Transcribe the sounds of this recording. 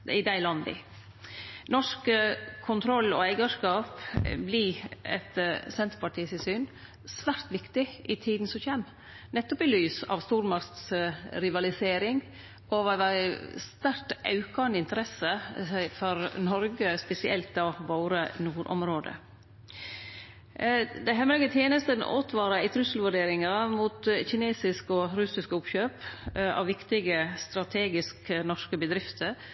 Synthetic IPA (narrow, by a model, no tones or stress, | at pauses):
ɪd̪æɪlɑnd̪ɪ̰ | nɔʂkkʰʊnt̪ʰɾɔlːɔ̰æɪɡəʂkɑːpbliɛ̰t̪sɛnt̪ɾpʰɑʈʰiːsɪsyːn | sʋæɾt̪ʋɪkt̪ɪʔɪt̪ʰiːd̪n̩sɔçɛm | nɛt̪ːɔpɪlyːsɑ̰ʋst̪uːɾmɑɾt̪sɾɪʋɑlɪseːɾɪŋ | ʔɔʋæʋæst̪æɾʈʔɑ̰ʉkɑnəɪnt̪əɾɛsəfɔɾnɔɾɡəspɛsɪʔɛ̰lt̪ɑʋoːɾənuːɾʔɔ̰mɾoːd̪ə̰ | d̪ɛɦɛmləɡət̪ʰjeːnəst̪ənʔo̰ːt̪ʰʋɑːɾɑɪt̪ʰɾʉsəlʋʉɖeːɾɪŋɑmuːt̪çɪneːsɪskɔɾʉsɪskəʊpçøːpɑ̰ʋʋɪkt̪ɪɡəst̪ɾɑt̪ʰeːɡɪsknɔʂkəbəd̪ɾɪft̪ʰəɾ